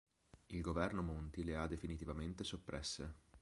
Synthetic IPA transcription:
ilɡovɛrnomont̪ilead̪ːefinit̪ivament̪esopːɾɛsːe

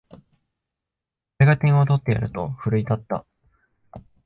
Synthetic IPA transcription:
eɡat̪ẽ̞ɰ̃ot̪o̞t̪ːe̞ja̰ɾɯ̟t̪o̞ɸɯ̟ɾɯ̟it̪at̪ːa̰

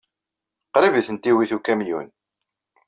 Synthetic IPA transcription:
qɾiviθənt̪iwiθukæmjṵn

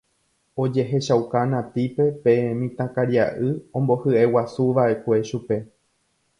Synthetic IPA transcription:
o̞d͡ʒe̞ɦe̞ʃawkanãt̪ipe̞peẽmĩt̪ãkaɾjiaʔɨõ̞mbo̞hɨʔewasuʋaʔe̞kʷe̞ʃupe̞

